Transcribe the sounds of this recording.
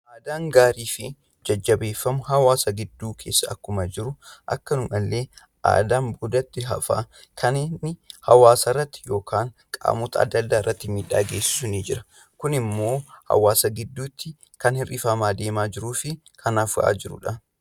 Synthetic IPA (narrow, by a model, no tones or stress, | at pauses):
ʔaːd̪aːŋɡaːɾiːfɪ | d͡ʒɐd͡ʒːɐbe̞ːfːɐmʊhɐwaːsɐɡɪd̪ːuːkʰe̞ːsːɐɐkːʊmɐd͡ʒɪɾʊʔɐ̰kːɐnʊmɐlːe̞ː | ʔa̰ːd̪aːnbud̪ɐt̪ːɪɦɐ̰fa̰ː | kʰɐnɪnːɪhɐwaːsɐrːɐt̪ːɪ̥jo̞ːkʰaːŋ | kʼa̰ːmʊːt̪ɐɐ̰d̪ːɐlːaːɪrːɐt̪ːɪmiːᶑa̰ːɡe̞ːsɪ̥sʊniːd͡ʒɪɾɐ̥ | kʊnɪmːo̞ːhɐ̰waːsɐɡɪd̪ːuːt̪ːɪ | kɐnhɪrʔɪfɐmaːd̪e̞ːmaːd͡ʒɪɾuːfɪ | kʰɐnafʊʔa̰ːd͡ʒɪɾʊ̰ᶑɐ